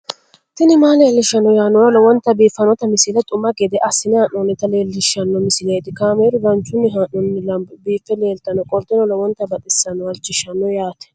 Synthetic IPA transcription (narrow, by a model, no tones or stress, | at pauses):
t̪ɪnɪmaːle̞ːlːɪʃːɐnːɔjaːnɔɾɔlɔwɔnt̪ːɐbiːfːɐnɔt̪ɐmɪsɪlɛt̪ʼʊmːɐɡɛd̪ɛʔɐsɪnɪhaːnːɔnɪt̪ɐle̞ːlːɪʃɐnːɔmɪsɪleːd̪ɪkaːmeːɾʊɡɐnt͡ʃːʊnːɪɦaːnɔnːɪlɐmbbiːfːɛle̞ːlt̪ɐnɔkʼɔlt̪ːɪnɔlɔwɔnt̪ːɐbɐt̪ʼɪsːɐnɔɐlt͡ʃːɪʃɐnːɔjaːt̪ɛ̥